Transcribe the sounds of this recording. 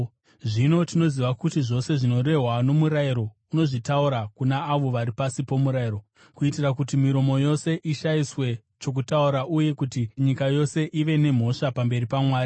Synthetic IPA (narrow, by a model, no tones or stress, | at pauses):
ʐino̞tino̞ziʋakutiʐo̞se̞ʐino̞ɾe̞ɦwano̞muɾaiɾo̞ | uno̞ʐitauɾakunaːʋo̞ʋaɾipasipo̞muɾaiɾo̞ | kuitirakutimiɾo̞mo̞jo̞se̞ʔiʃaiswe̞ | t͡ʃo̞k̬utauɾaʔuje̞kutiɲikajo̞se̞ʔiʋe̞ne̞m̤o̞ʂapambe̞ɾipamwaːɾi